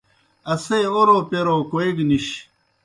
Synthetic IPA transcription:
ɐsejoɾopeɾokoeɡniɕ

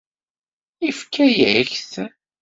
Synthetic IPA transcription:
ifkʰːæjæçθ

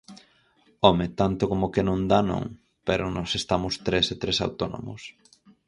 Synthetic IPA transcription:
ɔmet̪ant̪ʊkomokenõnd̪anõ̰ŋ | peɾʊnɔsest̪amʊst̪ɾeset̪ɾesa̰wt̪ono̰mʊ̰s

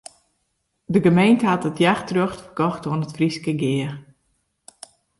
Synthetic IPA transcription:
dəɡəmejntəɦatətjaxtrøxtfərkɔxtoənətfriskəɡɪːər

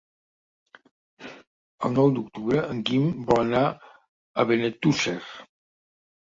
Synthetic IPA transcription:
əlˠnɔwd̪uk̚t̪uβɾəəŋkimbɔəna | əβenet̪user

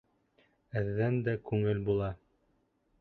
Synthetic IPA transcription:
ɘ̆ðːænd̪ækʉŋɘlbulˠɑ

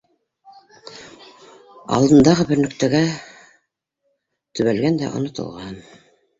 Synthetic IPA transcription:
ɑ̰lˠd̪ɤ̆nd̪ɑʁɤbɘ̆ɾnɵ̆kt̪æɡæ | t̪ɵ̆βælɡænd̪æ̰ʔŏ̰nŏt̪ɤ̰lˠʁɑn

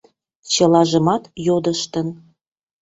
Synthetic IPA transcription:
t͡ɕə̆lɑʒə̆mɑt̪jod̪əʃt̪ən

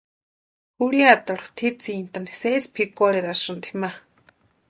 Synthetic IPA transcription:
huɽijat̪aɾu̥t̪ʰit͡sint̪anisespʰikoleɾasɨnt̪i̥hma

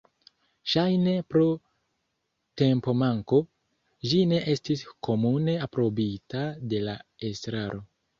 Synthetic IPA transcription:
ʃajne̞pɾo | te̞mpo̞maŋko̞ | d͡ʒine̞ʔe̞stisko̞mune̞apɾo̞bitade̞lae̞stɾaɾo̞

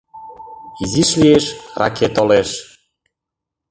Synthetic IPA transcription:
iziʃlieʃra̰kʰet̪oleʃ

